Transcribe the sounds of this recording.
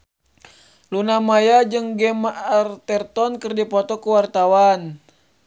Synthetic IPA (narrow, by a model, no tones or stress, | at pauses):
lunamajad͡ʒɨŋɡɛmaʔart̪ɛrt̪ɔnkɨrdipɔt̪ɔkuwart̪awan